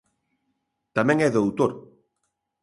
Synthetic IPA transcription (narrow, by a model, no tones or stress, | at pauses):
t̪amɛ̃ŋɛðowt̪oɾ